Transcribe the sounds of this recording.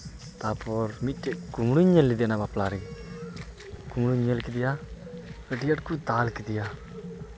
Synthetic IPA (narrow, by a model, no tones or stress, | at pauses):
t̪aːpɔɾmitːeɡumɽuɲelːid̪enabaplaːɾiŋ | ɡ̥umɽuɲelkid̪ija | kəʈijɐʈkud̪aːlkid̪ija